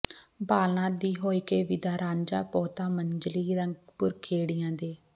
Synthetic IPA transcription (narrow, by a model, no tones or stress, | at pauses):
baːlnãːd̪iːɦoːiːkeːʋɪd̪aːɾãːɲd͡ʒaːpɔːt̪ãːməɲd͡ʒliːɾəŋɡpʊɾkʰeːɽijãːd̪eː